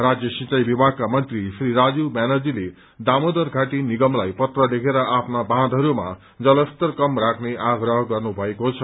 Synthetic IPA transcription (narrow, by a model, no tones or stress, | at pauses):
rad͡zjʌsĩt͡sajbibʱaɡ̚kamʌnt̪risriɾad͡zumanʌd͡zile | d̪amod̪ʌrɡʱaʈiniɡʌmlajpʌt̪rʌlekʰeɾʌʔapʰnabʱãd̪ʱɦʌɾuma̰ | d͡zʌlʌst̪ʌrkʌmrakʰneʔaɡrʌɦʌɡʌrnubʱʌekot͡sʰʌ